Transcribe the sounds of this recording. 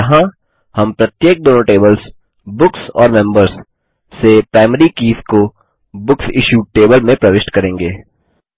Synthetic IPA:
ɐɦã | hɐmpɾɐt̪jeːk̚d̪oːnoʈeːbəls | bʊksɔ̰ːɾmɛ̃mbəɾsː | epɾaːɪməɾikiːsko | bʊksɪʃuːʈeːbəlmẽpɾɐʋɪʃʈkɐɾẽːŋɡeː

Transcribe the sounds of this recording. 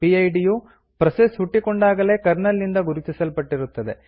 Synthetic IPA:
iɐjɖiju | pɾɐsesɦuʈːikoɳɖaːɡɐle̞ːkɐɾnɐlːind̪ɐɡuɾit̪isɐlpɐʈːiɾut̪ːɐd̪e̞

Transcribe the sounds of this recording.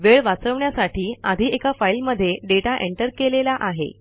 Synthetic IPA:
ʋeɭʋat͡səʋɳjasaʈiːad̪ʱiːekafailməd̪ʱːjeɖeʈaʔeɳʈəɾkelelaʔaɦḛ

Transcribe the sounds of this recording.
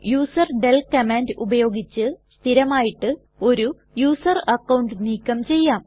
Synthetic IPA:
juːsɐrɖelkɐmaːndubɐjo̞ːɡit͡ɕːɨst̪ʰiɾɐmaːjiʈːɨ | o̞ɾu | juːsɐrɐkːɐwɳɖniːkːɐmt͡ɕe̞jːaːm

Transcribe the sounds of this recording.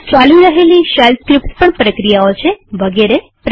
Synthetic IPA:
t͡ʃaliɾəɦeliʃalskɾipspəɳpɾəkɾijaot͡ʃʰeʋəɡeɾe | pɾ

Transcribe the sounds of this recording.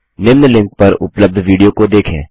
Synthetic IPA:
nɪʋnlɪ̃ŋk̚pɐɾʊ̰pləb̚d̪ʱʋiːɖijokod̪eːkʰḛ̃ː

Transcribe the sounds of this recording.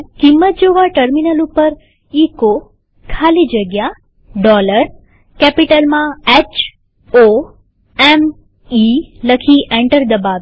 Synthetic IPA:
kimːət̪̚d͡ʒoʋaʈəɾminəlupəɾ | iko | kʰalid͡ʒəɡja | ɖɔləɾ | kɛpiʈəlmãɛt͡ʃ | o | ɛm | iləkʰiʔɛ̃ɳʈəɾd̪əbaʋ

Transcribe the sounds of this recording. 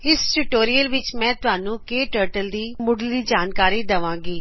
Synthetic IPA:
ɪsʈʊʈoːɾijəlʋɪt͡ʃmɛ̃ːt̪ʊɦaːnũkeːʈəːɾʈəld̪iːmʊɽlid͡ʒaːnkaːɾid̪ɐʋãːɡiː

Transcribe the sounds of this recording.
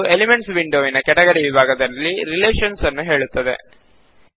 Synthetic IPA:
elimeɳʈsʋiɳɖoːʋinɐkɛʈɐɡɐɾiʋibʱaːɡɐd̪ɐlːiɾileːʃɐnsɐnːuɦe̞ːɭut̪ːɐd̪e̞̰

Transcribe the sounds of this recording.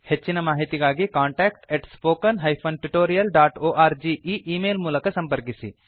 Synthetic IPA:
het͡ʃːinɐmaːɦit̪iɡaːɡikaːɳʈaːkʈeʈspoːkɐnɦɐjpʰoːnʈuʈoːɾijɐlɖaːʈoːʔaːɾd͡ʒiːʔiːʔiːmeːlmuːlɐkɐsɐmpɐɾkisḭ

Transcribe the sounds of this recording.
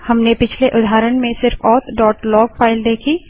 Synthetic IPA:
hɐmnepɪt͡ʃʰleʔʊd̪ʱaːɾəɽ̃mẽsɪɾfɔːt̪ʰɖɔːʈlɔːɡfaːɪld̪eːkʰiː

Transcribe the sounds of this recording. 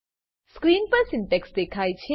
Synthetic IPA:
skɾinpɐsinpeksd̪ekʰajt͡ʃʰe

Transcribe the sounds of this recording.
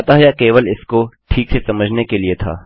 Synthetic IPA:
t̪aɦɐjakeːʋəlɪskoʈʰiːksesɐməd͡ʒʱnekeliet̪ʰa̰ː

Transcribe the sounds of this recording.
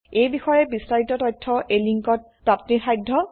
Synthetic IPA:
ejbixɔjɛbistaɹitɔtɔjtʰːɔʔejliŋkɔt̚pɹatʰnixajdʱːɔ

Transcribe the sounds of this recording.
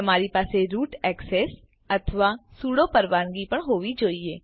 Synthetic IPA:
əmaːɾipaːseɾuːʈɛːkseːs | ət̪ʰʋaːsuːɽopəɾʋaːnɡipəɳɦoːʋid͡ʒoːieː

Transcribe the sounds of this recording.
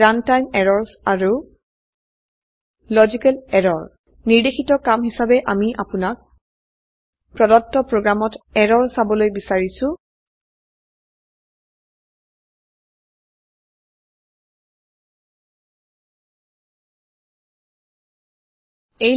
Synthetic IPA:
antajmɛɹɔɹsaɹu | lɔzikɛlɛɹɔɹ | niɹdexitɔkamɦisabɛʔamiʔapʊnak̚ | pɹɔdɔtːɔpɹoɡɹamɔtɛɹɔɹsabɔlojbisaɹisʊ̃ | ej

